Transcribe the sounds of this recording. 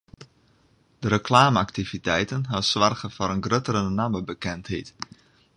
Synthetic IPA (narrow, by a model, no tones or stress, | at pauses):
d̥əɾəklaːməaktivitɛjtənɦasʋarχəfɔɾənɡrøtəɾənaməbəkɛnthet